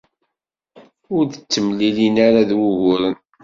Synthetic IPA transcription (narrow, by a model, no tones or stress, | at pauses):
ʊɾðət͡sːəmlilinaɾaðwʊʝʊɾən